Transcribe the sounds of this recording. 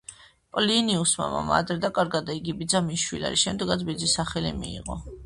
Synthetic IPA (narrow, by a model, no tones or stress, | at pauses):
pʼliniusmamamaːd̪ɾɛd̪akʼaɾɡad̪aiɡibid̪zamiʃwilia̰ɾiʃɛmd̪ɛɡat̪sʰbid̪zisaχɛlḭmiːʁɔ